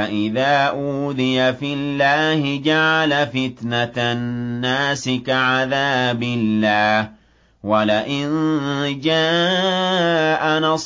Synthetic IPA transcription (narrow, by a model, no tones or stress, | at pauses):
aʔɪðaːʔuːd̪ɪjafɪlːaːhɪd͡ʒaʕalafɪt̪naː | aːsɪkaʕaðaːbɪlːaːh | walɪʔɪnd͡ʒaː | ʔanɑsˤ